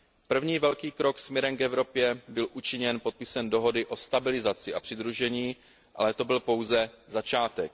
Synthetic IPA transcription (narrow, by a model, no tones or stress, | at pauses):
pr̩vɲiːvɛlkiːkɾo̞ksmjɛɾɛmkɛvɾo̞pjɛbɪlʔut͡ʃɪɲɛnpo̞t̪̚pɪsɛndo̞ɦo̞dɪʔo̞st̪abɪlɪzat͡sɪʔapr̝̥ɪd̪ɾuʒɛɲiː | ʔa̰lɛt̪o̞bɪlpo̞wzɛzat͡ʃaːt̪ɛk̚